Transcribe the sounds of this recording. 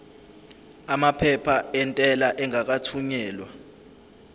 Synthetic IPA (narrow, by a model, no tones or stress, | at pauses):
amapʰɛpʰaɛntʼɛlaʔɛŋak̬atʰuɲɛːlwa̰